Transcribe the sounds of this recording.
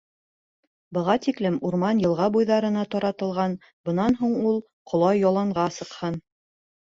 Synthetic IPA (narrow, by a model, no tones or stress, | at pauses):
bɤ̆ʁɑt̪iklɘmuɾmɑnjɤ̆lˠʁɑbujðɑɾɤ̆nɑt̪ɒɾɑt̪ɤ̆lˠʁɑn | bɤ̆nɑnɦuɴulˠ | qʰŏlˠɑjːɒlˠɑɴʁɑsɤ̆qhɤn